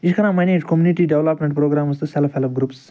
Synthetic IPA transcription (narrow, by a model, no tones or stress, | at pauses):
iʃkʰɐɾãːmaneːd͡ʒkomjuniʈiːɖeʋlɐpmʲẽɳʈpɾoːɡɾaːmɐst̪ɨselfhelfɡɾups